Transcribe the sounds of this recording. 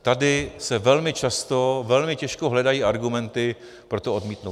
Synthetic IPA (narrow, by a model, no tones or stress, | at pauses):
t̪adɪsɛvɛlmɪt͡ʃast̪ovɛlmɪcɛʃkoɦlɛdajiːʔaɾɡumɛnt̪ɪ | pɾo̞t̪oodmiːt̪now